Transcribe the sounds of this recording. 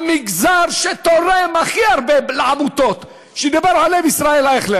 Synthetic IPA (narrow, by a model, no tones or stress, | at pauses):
miɡzaʁʃet̪oɾemaχiaʁbeleʕamut̪ot̪ | ʃed̪abeʁʕalːevisʁaelaeχle